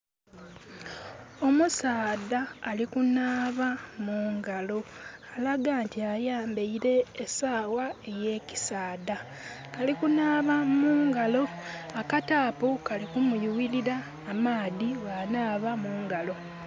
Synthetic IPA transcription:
o̞musaːdaːlikunaːβamuːŋɡalo̞alaɡaːntiajaːmbeiɾe̞ːsaːwae̞je̞ːci̥saːda | kalikunaːβamuːŋɡalo̞akataːpokalikumujuwiɾiɾaː | maːðiβanaːβamuːŋɡalo̞

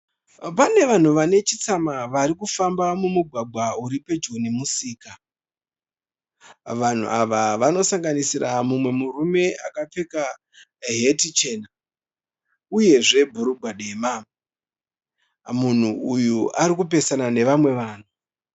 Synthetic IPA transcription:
pane̞ʋan̤uʋane̞t͡ʃit͡samaʋaɾikufambamumuɡʱwaɡʱwauɾipe̞d͡ʒunimusiːka | ʋan̤ṵʔaʋaʋano̞saŋɡanisiramumwe̞murume̞a̰kap͡fe̞ka | ɦetit͡ʃe̞ːna | uje̞ʐe̞bʱuɾubʱaɗema | mun̤uːjuʔaɾik̬up̬e̞sanane̞ʋamwe̞ʋaːn̤u

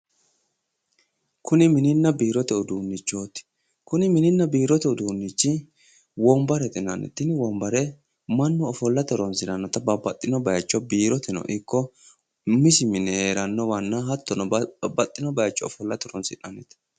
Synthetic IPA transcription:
kʰʊnɪmɪnɪnːɐbiːɾɔt̪ɛʊd̪uːnːɪt͡ʃːo̞ːt̪ɪ̥ | kʊnɪmɪnɪnːɐbiːɾɔt̪ɛʊd̪uːnːit͡ʃːɪ | wɔmbɐɾɛt̪ʼɪnɐnɛ̰t̪ːɪnwɔmbɐɾɛ | mɐnːɔːfɔlːɐt̪ɔɾɔnsɪnɐnːɔt̪ɐbɐbɐt̪ʼːɪnɔbɐjɐt͡ʃːɔbiːɾɔt̪ɛnɔ̰ʔɪkːɔ | mɪsɪmɪnɛhe̞ːɾɐnːɔwɐnːɐɦɐt̪ːɔnɔbɐt̪ʼːɪnɔbɐjɐt͡ʃːɔɔfɔlːɐt̪ɔɾɔnsɪᶑɐnɛt̪

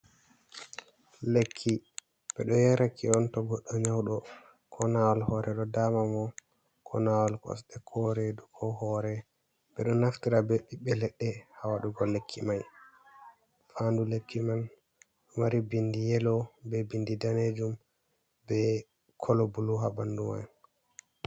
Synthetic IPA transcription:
lekʰːi | ɓɛɗɔjɛɾakʰiɔntɔɡɔɗːɔɲawɗɔ | kʰɔnawalhɔɾɛɗɔdamamɔ | kʰɔ̰nawalkɔ̰sɗɛkʰɔɾedukʰɔhɔːɾɛ | ɓɛɗɔnaftiɾabeɓːiɓɛlɛɗːɛhawaɗuɡɔlːekʰːimaj | fandulekːiman | maɾibindijɛlɔbɛbindidaned͡ʒum | bɛ | kʰɔlɔbuluɦabanduma̰j

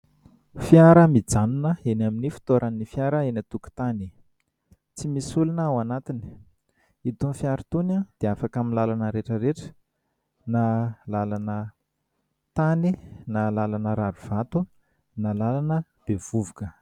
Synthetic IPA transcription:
fjaɾəmid͡zaminəenaminifi̥t̪oɾanːifjaɾəenat̪uku̥t̪ani | t͡simisulunəwanat̪ini̥ | it̪unfjaɾit̪unad̪̥eafakaminlalanəɾeʈ͡ʂəɾeʈ͡ʂə̥ | nalalanə | t̪aninalalanəɾaɾuv̥at̪u | nalalanə | b̥ev̥uvukə

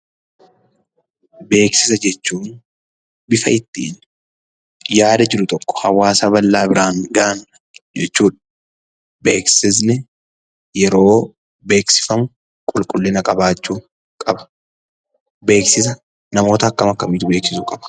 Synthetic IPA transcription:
be̞ːksɪsɐd͡ʒɛt͡ʃːuːn | bɪfɐɪt̪ːḭːn | jaːd̪ɐd͡ʒɪɾʊt̪ɔkːɔ̥hɐwaːsabɐlːaːbɪɾaːŋɡaʔn | d͡ʒɛt͡ʃːuːᶑɐ̥ | be̞ːksɪs̬nɛ | jɛɾo̞ː | be̞ːksɪ̥fɐmʊ | kʼʊlkʼʊlːɪnɐkʼɐbaːt͡ʃːuː | kʼɐbɐ̥ | be̞ːksɪs̬ɐ | nɐmo̞ːt̪ɐːkːɐmɐkːɐmiːt̪ʊbe̞ːksɪsʊkʼɐb̥ɐ̥

